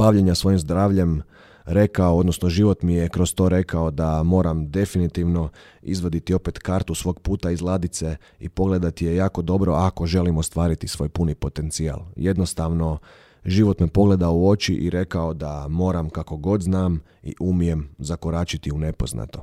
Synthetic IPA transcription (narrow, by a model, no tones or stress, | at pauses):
b̥aʋʎeɲasʋo̞imzd̪ɾaːʋʎe̞m | ɾe̞kaood̪nosnoʒiʋo̞t̪mijekɾost̪o̞ɾe̞kao̞d̪amo̞ːɾamd̪e̞finit̪iʋno̞ | ḭzʋod̪it̪io̞pet̪kaɾt̪usʋo̞ːɡpuːt̪aizlˠaːd̪it̪se̞ | ḭpo̞ɡle̞d̪at̪ijejaːko̞d̪o̞bɾo̞ʔako̞ʒe̞limost̪ʋaːɾit̪isʋo̞ːjpunipo̞t̪e̞nt̪sia̰lˠje̞d̪nost̪aʋno̞ | ʒiʋo̞t̪mepo̞ɡle̞d̪aouo̞t͡ʃiʔiɾe̞kao̞d̪amo̞ːɾamkako̞ɡo̞d̪znaːm | ḭʔumije̞mzakoɾaːt͡ʃit̪iune̞po̞zna̰t̪o